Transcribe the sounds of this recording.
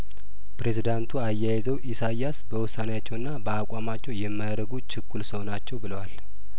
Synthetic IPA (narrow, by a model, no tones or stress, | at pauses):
pɾe̞zid̪ant̪ʰuajːajɛzəwʔisajasbəwʊsːanejat͡ʃːɛwɨnːabəakʼamat͡ʃːɛwjɛmːajɾəɡut͡ʃɪkːulsəwnat͡ʃːɛwbɨləwal